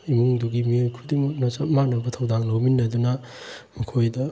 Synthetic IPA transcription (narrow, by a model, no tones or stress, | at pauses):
imuŋduɡimiojkʰudimunasamanɐbɐtʰɐwd̪aŋlowminːɐd̪unɐ | mɐkʰojdɐ